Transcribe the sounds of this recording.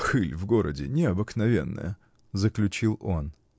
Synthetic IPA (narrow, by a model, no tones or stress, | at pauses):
xɨlʲvɡo̞ɾə̰dʲɪnʲɪɐbɨknɐvʲe̞̰nːə̰jə | zəklʲʉt͡ɕilˠo̞n